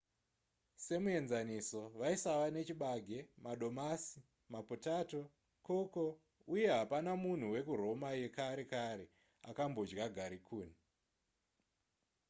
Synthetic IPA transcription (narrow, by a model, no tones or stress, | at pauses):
se̞mue̞nzaniso̞ʋaisawane̞t͡ʃiɓaɡʱe̞maɗo̞masi | maputato̞ | koko̞ | uje̞ɦapanamun̤uwe̞kuro̞maje̞kaɾe̞kaɾe̞ | a̰kambo̞d͡ʒɡaɡʱaɾikʰuːn̤i